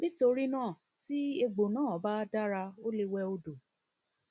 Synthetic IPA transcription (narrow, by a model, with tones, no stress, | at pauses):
bi˦to˧ɾi˦nãː˦˨ | ti˦e˧ɡ͡bo˨nãː˦˨ba˦da˦ɾa˧o˦le˧wɛ˧o˧do˨